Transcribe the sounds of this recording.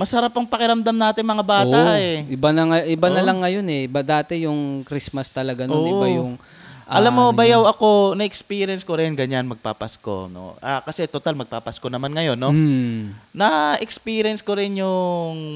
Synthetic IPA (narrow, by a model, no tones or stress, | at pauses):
mɐsɐɾapːɐŋpɐkɪɾɐmd̪amnaːt̪ɪŋmɐŋabaːt̪ːaʔɛʔɪbanɐŋɐʔɪbanɐlɐŋːɐjo̞nɛʔbad̪aːt̪ɛjʊŋkɾismɐst̪ɐlɐɡanonːɪbajʊŋ | ʔaɐlamːo̞bɐjawɐko̞nɐʔɛkspiːɾjɛnskoɾɪnɡɐɲanmɐɡ̚pa̰pasko̰no̰ʔakɐsɛt̪ot̪almɐɡ̚papaskonɐmanŋɐjo̞nːo | nɐʔɛkspiːɾɛnskoɾɪnjʊŋ